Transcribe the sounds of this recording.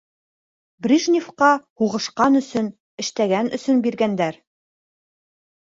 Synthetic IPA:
brʲiʒnʲifqɑhuʁɤ̆ʃqɑnɵ̆sɵn | ɘ̆ʃt̪æɡænɵ̆sɵnbiɾɡænd̪æɾ

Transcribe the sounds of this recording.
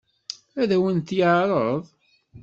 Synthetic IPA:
æðæwənt̪jəʕɾˤəðˤ

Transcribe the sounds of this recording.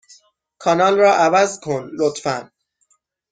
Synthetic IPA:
kʰɒnɒːlrɒːʔævæzkʰonlot̪fæn

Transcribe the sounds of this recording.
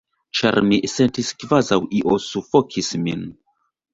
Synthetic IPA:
t͡ʃa̰ɾmisentiskvazawʔiʔosufokʰismin

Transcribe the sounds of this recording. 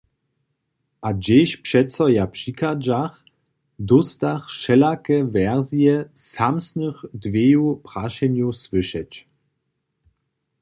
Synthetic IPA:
ʔad͡ʑeɕpʂɛtsɔjapʂikad͡ʒax | d̪ust̪aχʃɛlakɛvɛʁzjɛsamsnəxdvʲjejupʁ̥aʃɛnjuswɪʃɛt͡ɕ

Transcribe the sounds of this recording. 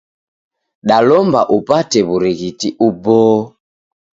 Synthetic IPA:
ɗalɔmba̰ʔupatɛβuɾiɣitiʔubɔː

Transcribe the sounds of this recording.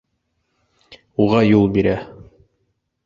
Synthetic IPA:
uʁɑjulˠbiɾæ

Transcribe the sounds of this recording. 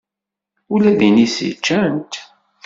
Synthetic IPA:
ulæðinisḭt͡ʃːænt̪

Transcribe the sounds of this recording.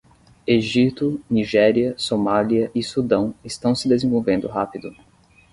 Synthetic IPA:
eʒit̪ʊniʒɛɾiɐsomaliɐʔɪsud̪ɐ̃w̃ɪst̪ɐ̃w̃sɪd̪ezẽvowvẽnd̪ʊɦapid̪ʊ

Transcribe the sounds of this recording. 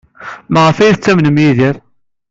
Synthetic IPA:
mæʁəfæjɾt͡sːæmnəmjiðiɾ

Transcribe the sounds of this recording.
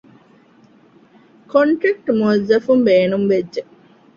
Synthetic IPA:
koɳʈɾɐk̚ʈmuzːɐfumbeːnumʋedːe

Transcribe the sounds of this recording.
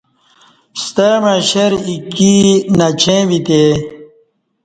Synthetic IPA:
st̪amãɕeɾikinɐt͡ɕʰẽʋit̪e

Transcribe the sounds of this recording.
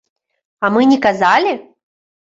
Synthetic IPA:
ɐmɨnʲɛkazalʲi

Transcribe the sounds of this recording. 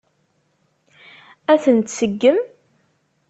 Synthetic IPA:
æθənt̪səɡːəm

